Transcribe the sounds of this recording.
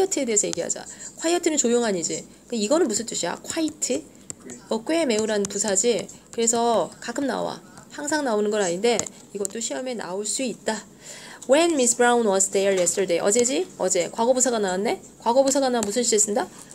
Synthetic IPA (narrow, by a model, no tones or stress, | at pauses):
jʌtʰɯe̞deːsʰʌje̞ɡiɦa̰d͡ʑa̰kʰwajʌtʰɯnɯnt͡ɕojoŋɦaɲid͡ʑikɯeiɡʌnɯnbusʰɯnt͈ʰuɕʰia̰kʰwaitʰɯ | ʌk͈weme̞uɾanpusʰad͡ʑikɯɾe̞sʰʌkakʰɯmna̰wa̰ | haŋsʰaŋnaonɯnɡʌɾaɲinde̞ | iɡʌt͈̚oɕʰiʌme̞na̰oɭs͈uit̚t͈a | we̞nmis̬bɾaunwʌsʰdejʌɭjesʰtʰɭde̞ʔʌ̰d͡ʑe̞d͡ʑiʌd͡ʑe̞kwaɡʌbusʰaɡanawanːe̞ | kwaɡʌbusʰaɡanamusʰɯnɕʰies͈ɯnda